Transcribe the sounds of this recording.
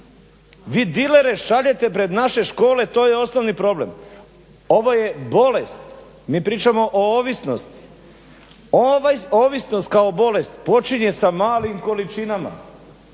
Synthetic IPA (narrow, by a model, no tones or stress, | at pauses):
ʋiːd̪ileɾe̞ʃaʎe̞t̪e̞pɾe̞d̪naʃe̞ʃko̞ːle̞t̪o̞ːjeo̞snoʋnipɾo̞ble̞̰m | o̞ʋo̞je̞bo̞lest̪ | miːpɾiːt͡ʃamo̞ʔooːʋisnost̪i̥ | oʋajoːʋisnost̪̚kao̞bo̞le̞st̪po̞t͡ʃiɲe̞samaːlimko̞lit͡ʃinama̰